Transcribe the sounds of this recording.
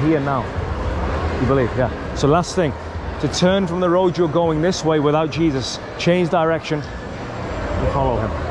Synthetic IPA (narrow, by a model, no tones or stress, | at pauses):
ɦiəɹnːaʊ | jɨbɪlivjæ | soʊlasθɪ̃ŋ | tʰətʰɜːnfɹə̃mðəɹoʊd͡ʒə˞ɡoʊɪ̃ŋðɪsweɪwɪðaʊt̚d̥ʒ̥iːzəs | t͡ʃʰẽɪ̃nd͡ʒdəɹɛkʃə̃n | ə̃nfɑlˠoʊɪ̃m